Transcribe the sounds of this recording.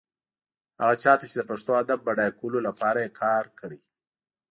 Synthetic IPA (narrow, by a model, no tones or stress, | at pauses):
ha̰ɣat͡ʃɑt̪at͡ʃed̪əpaʂt̪oad̪abːaɖajkulolapʰɑɾajekʰɑɾkʰəɽi